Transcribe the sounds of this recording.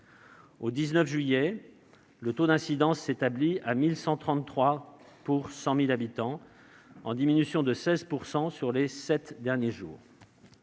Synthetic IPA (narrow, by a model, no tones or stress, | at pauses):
od̪iznœfʒɥijɛ | lət̪od̪ɛ̃sid̪ɑ̃sːet̪abliamilsɑ̃t̪χɑ̃nt̪χwa | puʁsɑ̃milabit̪ɑ̃ | ɑ̰̃d̪iminysjɔ̃d̪əsɛzpuʁsɑ̃syʁlesɛt̪d̪ɛʁnjeʒṵːʁ